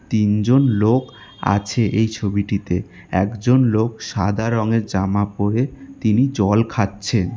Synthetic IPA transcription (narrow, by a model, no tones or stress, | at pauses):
t̪ind͡ʑonlok | a̰t͡ɕʰeʔejt͡ɕʰobiʈit̪e | ɛkd͡ʑonlokʃad̪ʱaɾɔŋeɾd͡ʑamapoɾet̪inid͡ʑɔlkʰatːɕʰen